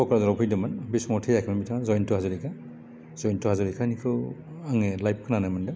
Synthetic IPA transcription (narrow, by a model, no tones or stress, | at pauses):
bɔkaɾazaɾɔpʰijdɯmanbisɔmɔtʰejakʰamamitʰaŋazɔjntuhazuɾikʰa | z̥ɔjntuhazɔɾikʰanikʰɯ | aŋelajp̚kʰɯnanajmandɯ